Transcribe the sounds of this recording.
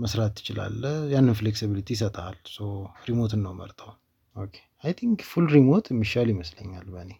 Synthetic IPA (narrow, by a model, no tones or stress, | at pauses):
məsɾat̪ːɨ̥t͡ʃɪla̰lːəjanːɨnfleksiβilit̪ʰijsət̪ʼʰa̰lsowɾimo̞t̪ʰɨnːəwmə̰ɾt̪ʰʼəw | okʰe̥ajt̪ʰiŋkfulɾimo̞t̪ʰɨmːiʃaljɪməslə̰ɲːalbəne̞